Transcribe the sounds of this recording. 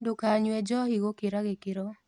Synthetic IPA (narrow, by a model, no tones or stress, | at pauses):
dokaɲwɛd͡ʒɔiɣokeɾaɣekeɾɔ